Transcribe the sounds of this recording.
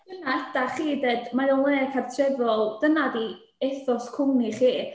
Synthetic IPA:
d̥ənaɛtaχiːdedmaɾɔnlˠeːkʰartʰrɛðɔlˠd̥ənadi | eθɔskʰʊniχiː

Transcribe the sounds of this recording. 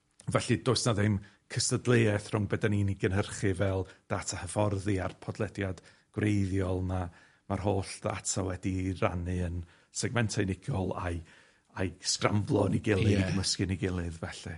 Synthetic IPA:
vɛɬɨdoːɨsnaðɪm | kʰəstədlˠeːɛθr̥ʊŋbədaniniɡənɦərχɨvɛlˠd̥atʰahəfɔrðiarpʰɔdlˠɛdjad | ɡ̥wrejðjɔlˠna | mar̥hoːɬda̰tʰawɛdira̰nɨən | sɛɡmɛntʰajnɪɡjɔlˠa̰j | ajskramvlˠɔniɡɪlˠɨɡəməskɨniɡɪlˠɨðvɛɬɛ

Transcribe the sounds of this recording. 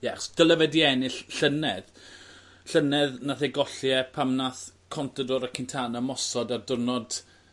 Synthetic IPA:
jɛaχɔsd̥əlˠəvɛdiɛnɪɬɬənɛð | ɬənɛðnaθeɡɔɬjɛpʰamnaθkʰɔntʰədɔɾəkʰɪntʰanamɔsɔdardʊrnɔd̥

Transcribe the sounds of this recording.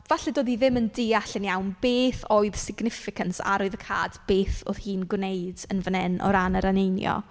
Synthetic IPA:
vaɬɛdoːdiðɪməndɪaɬɪnjawnbeːθoːɨð̥sɪɡnɪfɪkʰənsa̰ɾɔɨðəkʰa̰ːd̥b̥eːθo̰ð̥hiːnɡwnejdənvənɛnɔ̰ɾanəɾanejnjɔ̰

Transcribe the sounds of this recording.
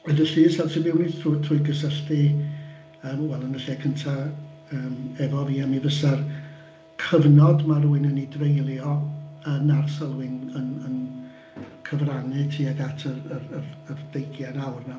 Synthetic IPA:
ɛðəɬiːsɛlˠsʰibɪwnitutʰrʊɨɡəsəɬtɨ | əːmwɛlˠənəɬiakʰəntʰa | əːmɛvɔviːamivəsar | kʰəvnɔdmaruɨnənidrejlˠjɔənarsəlˠwɨnənən | kʰəvranɨtʰiːaɡatʰərəərərd̥ejɡjanawrna

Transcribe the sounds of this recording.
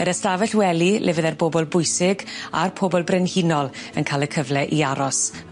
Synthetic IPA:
ɛɾəstavɛɬwɛlilʔɛ̰vɪðɛrboːbɔlˠbʊjsɪɡa̰rpʰoːbɔlˠbrɛnhinɔlˠənkʰaːlˠəkʰəvlɛʔiaɾɔs

